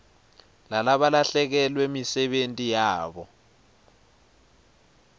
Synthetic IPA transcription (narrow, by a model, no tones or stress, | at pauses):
lalaɓalaɬɛk̬ɛlwemisɛɓentʼijaːɓɔ